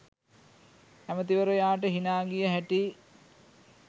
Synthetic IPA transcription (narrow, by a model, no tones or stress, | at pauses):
æmət̪iʋəɾojaːʈəɦinaːɡijəɦæʈi